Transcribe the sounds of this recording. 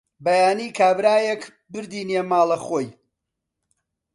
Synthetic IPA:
bɐjaːniːkʰaːbɾaːjek | bɨɾd̪iːnjemaːlˠɐχoːj

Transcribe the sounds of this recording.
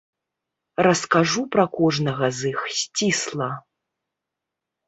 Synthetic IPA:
ɾɐskaʐupɾɐkɔʐnɐɣɐzɨxsʲt͡sʲislˠɐ

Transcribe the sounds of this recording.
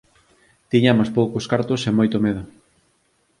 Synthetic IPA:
t̪iɲamospowkoskaɾt̪osemojt̪omeðʊ

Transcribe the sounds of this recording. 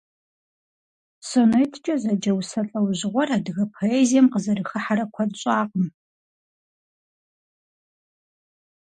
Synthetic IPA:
sonɐjtʰt͡ʃʼɐzɐd͡ʒɐwsɐɬʼɐwʑɪʁʷɔraːdɨɣɐpʰoeːzijɛmqəzɐrɨxɨħaɾɐkʷʰɐdɕʼaːqʼəm

